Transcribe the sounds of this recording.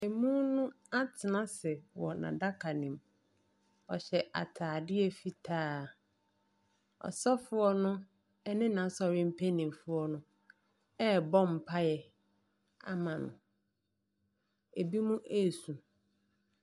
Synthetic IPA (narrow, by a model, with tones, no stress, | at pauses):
e˨mũ˦nʊ̃˦ | a˦tʰɪ˨nã˦sɛ˨wɔ˨nã̰˨da˦kʰa˨nĩ˨m | ɔ˨ɕɛ˨ʔa̰˨tʰaː˨dɪ˦ɛ˨fi˨tʰaː˦˨ | ɔ̰˨sɔ˦fʊ˦ɔ˦nʊ̃˦ | ɛ˦nɪ̃˦nã˨˦sɔ˨ɾɪ̃˦m̩˦pʰæ˦nĩ˨m˨fʊ˦ɔ˦nʊ̃˦ | ɛ˦bɔ̃˦m̩˨pʰa˦jɛ˨ | a̰˦mã˨nʊ̰̃˨ | e˨bi˦mũ˦ʔæ˦˨sũ˨